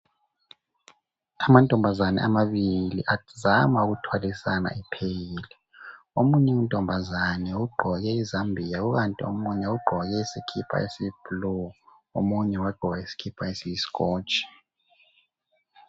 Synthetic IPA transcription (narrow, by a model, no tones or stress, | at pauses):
amantʼɔmbʱazanɛ̰ʔamaɓilḭʔazamauɣ̬utʰwalisana̰ʔipʰejili | omuɲɛuntʼɔmbʱazanɛuɡ͡ǃʱɔɣɛizambʱijauk̬antʼio̰muɲɛuɡ͡ǃʱɔjɛisikʰipʰa̰esib̥lu | o̰muɲɛwaɡ͡ǃʱɔɣaisi̥kʰipʰaesisi̥kʼɔːt͡ʃʼi̥